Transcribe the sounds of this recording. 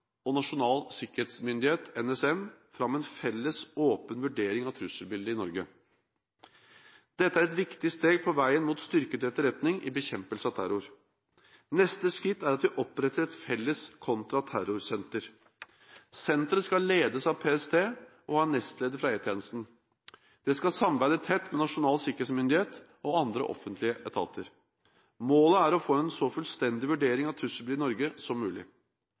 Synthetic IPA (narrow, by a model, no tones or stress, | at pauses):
ɔnɑʂʊnɑːlsɪkəɾheːt̪smʏnd̪ɪheːt̪ɛnɛsɛmfɾɑmːɛnfɛlːəsoːpənʋʉɖeːɾɪŋɑt̪ʰɾʉsəlbɪld̪əɪnɔɾɡə | d̪̥ɛt̪ːəæɾɛt̪ʋɪkt̪ɪst̪eːɡ̚pʰɔʋæɪənmuːt̪st̪ʏɾkəd̪ɛt̪ːəɾɛt̪nɪŋʔɪbəçɛmpəlsəɑt̪ʰæɾʊɾ | nɛst̪əskɾɪt̪ːæɾɑt̪ʋɪʔɔpɾɛt̪ːəɾɛt̪fɛlːəskʰɔnt̪ɾɑt̪ʰæɾʊɾsɛnt̪əɾ | sɛnt̪əɾəskɑlleːd̪əsɑʋpʰeːɛst̪ʰeːʔɔhɑːɛnːɛst̪leːd̪əfɾɑeːt̪ʰjeːnəst̪n̩ | d̪̥ɛskɑsɑmbæɪd̪ət̪ʰɛt̪ːmɛnɑʂʊnɑːlsɪkəɾeːt̪smʏnd̪ɪheːt̪ | ʔɔɑnd̪ɾə̰ʔɔ̰fːənt̪lɪəʔɛt̪ʰɑ̰ːt̪ʰəɾ | moːləæɾɔfoːɛnsɔfʉlst̪ɛnd̪ɪʋʉɖeːɾɪŋɑt̪ʰːʉsəblɪːɾnɔɾɡəsɔmːʉːlɪ̰